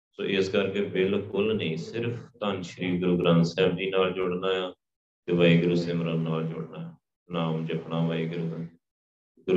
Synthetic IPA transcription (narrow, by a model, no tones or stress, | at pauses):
so̰ːʔɪskəɾkeːbɪlkʊlnəĩːsɪɾpʰt̪aːnʃəɾiːɡɾoːɡɾãːmsɛːb̚d͡ʒiːnaːld͡ʒʊɽnaːjaː | t̪eːʋaːiːɡəɾseːmɾaːnaːld͡ʒʊ̰ɽnaːaː | naːmd͡ʒəpɳnãːʋaːiːɡəɾd̪aː | ɡɾ